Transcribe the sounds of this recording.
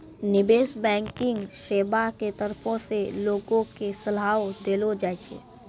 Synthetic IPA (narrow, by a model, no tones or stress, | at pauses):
nɪbeːʃbɛ̃ːkɪ̃ŋɡseːbaket̪əɾpʰõseloːɡõkesəlaːwod̪eːlod͡ʒaːjt͡ʃʰḛː